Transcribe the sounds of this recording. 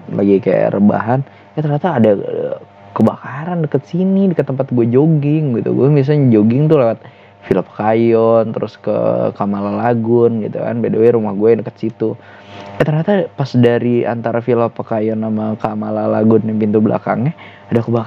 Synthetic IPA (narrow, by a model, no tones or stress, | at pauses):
la̰ɡika̰ja̰ɾʔəba̰ɦan | at̪ərɲat̪aːda | kəbakaɾandəkət̪sinidikət̪ːəmpat̪̚ɡuad͡ʒoɡɪŋɡit̪ṵɡuɛmis̬alɲad͡ʒoɡɪŋt̪ulawat̪̚ | filapə̥kajɔnt̪əɾʔʊskə̰kamalalaɡʊnɡit̪ṵka̰nbedawɛɾumahɡuɛjdəkə̥t̪sit̪u | jat̪ərɲat̪apasdaɾia̰nt̪aɾafilapəkajɔnːamakamalalaɡʊnjaŋpint̪ubla̰ka̰ŋɲa | adakəbak